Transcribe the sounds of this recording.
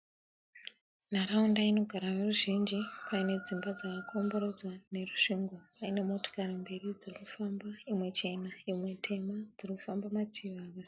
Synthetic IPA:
naɾaundaino̞ɡʱaɾaʋeruʒind͡ʒipʰaine̞d͡zimbad͡zakakʰo̞mbo̞ɾo̞d͡zwane̞ruʃuŋɡwapaine̞mo̞to̥karimbe̞rid͡zirikufambaimwe̞t͡ʃe̞naimwe̞tʰe̞mad͡zirikufambamatʰiʋaʋas

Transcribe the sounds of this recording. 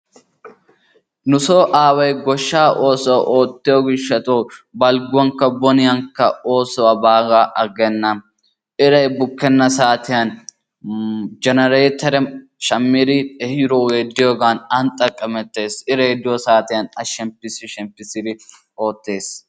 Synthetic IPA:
nʊsoːʔaːwɐjɡɔʃːaːʔo̞ːsɔwaʔo̞ːt̪ːɪjoɡɪʃːɐt̪ʼoːbɐlɡʊwɐŋkːɐbɔnɪjɐŋkːɐo̞ːsɔwabaːɡaːʔɐɡɛnːɐ | ʔɪɾɐjbʊkːɛnːɐsaːt̪ɪjɐn | d͡ʒɛnɐɾeːt̪ɐɾɛʃɐmːɪd̪ɪɛhɪɾoweːd̪ːɪjoːɡaːnɐnt̪ʼːɐkʼːɐmɛt̪ːe̞ːsɪɾejd̪ɪjɔsaːt̪ɪjɐnɐʃɛmpːɪsɪʃɛmpːɪsɪd̪ɪ | o̞ːt̪ːe̞ːs

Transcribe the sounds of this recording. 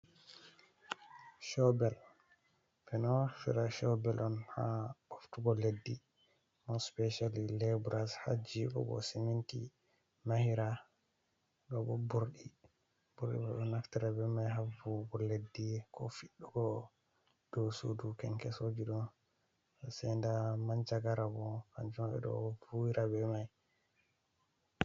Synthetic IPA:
ʃɔbɛl | bɛnɔfḭɾaʃɔbɛlʔɔnha̰ɔftuɡɔledːi | mɔspɛʃallɛbɾasha̰d͡ʒibɔ̰ɡɔ̰simintḭ | mahiɾa | ɗɔbɔbuɾɗi | buɾɗḭbɔɗɔnaftiɾabɛmajɦavuɡɔlːedːikʰɔ̰fiɗːuɡɔ | d̥ɔsudukɛŋkɛsod͡ʒiɗɔn | sɛndamaɲd͡ʒaɡaɾabɔka̰nd͡ʒumɓɛ̰ɗɔ̰vuiɾʔabɛmaj

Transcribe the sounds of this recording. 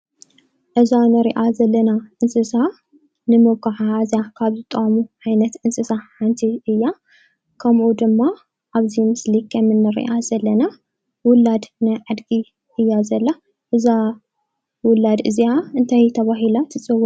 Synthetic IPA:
ʔɨzanɨɾḭʔazɐlːɐnaʔɨnsɨsa | nɨmɨwkʰaħaazjakʰaβzɨt̪ʼɐʔamuʕajnɐt̪ʔɨnsɨsaħant̪ʰiʔɨjːa | kʰɐmʔud̪ɨmːa | ʔaβzimɨslikʰɐmɨnːɨɾḭʔazɐlːɐna | wʊlːad̪najʕad̪ɡi | ʔɨjːazɐlːa | ʔɨza | wʊlːad̪ɨziaɨnt̪ʰajt̪ʰɐβaɦilat̪ʰɨt͡sʼɨwːɔ

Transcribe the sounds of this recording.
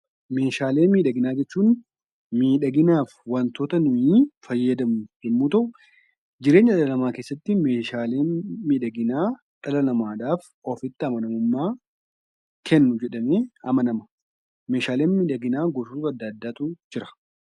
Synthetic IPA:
me̞ːʃaːle̞ːnmiːᶑɐɡɪnaːd͡ʒɛt͡ʃːuːn | miːᶑɐɡɪnaːfwɐnt̪oːt̪ɐnʊʔiːfɐjːɐd̪ɐmʊd͡ʒɛmːuːt̪ɐʔʊ | d͡ʒɪɾeːɲːɐᶑɐlɐnɐmaːke̞ːsːɐt̪ːɪme̞ːʃaːle̞ːnmiːᶑɐɡɪnaː | ᶑɐlɐnɐmaːᶑ̪aːf | ɔfɪt̪ːɪɐmɐnɐmʊmːaː | kʰɛnːʊd͡ʒɛᶑɐmeːɐmɐnɐmɐ̥ | me̞ːʃaːleːnmiːᶑɐɡɪnaːɡɔsuːt̪ɐd̪ːɐːd̪ːaːt̪ud͡ʒɪɾɐ̥

